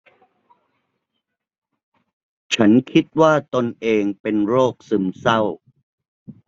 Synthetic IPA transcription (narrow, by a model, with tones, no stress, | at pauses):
t͡ɕʰa˦˥nkʰi˦˥t̪̚waː˥˩t̪o˧nʔeː˧ŋpe˧nɾoː˥˩k̚sɯ˧msa˥˩w